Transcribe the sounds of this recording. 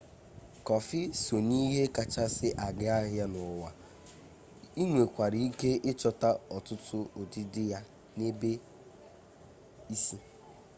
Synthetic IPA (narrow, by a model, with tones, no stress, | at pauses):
kɔ˨fɪ˦so˨ni˦ɦe˦ka˨t͡ʃa˦sɪ˦ʔa˨ɡɪ˦a˦ɦja˦nʊ˨wa˨ | i˦ŋʷe˨kʷa˨ɾi˦i˦ke˦ʔɪ˦t͡ʃɔ˦ta˦ɔ˨tʊ˦tʊ˦o˨dɪ˦dɪ˦ja˦ | ne˦be˦ | i˦si˦